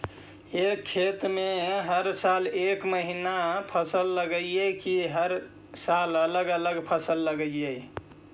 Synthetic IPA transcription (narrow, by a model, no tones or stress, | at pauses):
ekʰːet̪meɦəɾsalekməɦinapʰəsəlːəɡəekiɦəɾ | salələɡələɡpʰəsəlːəɡəje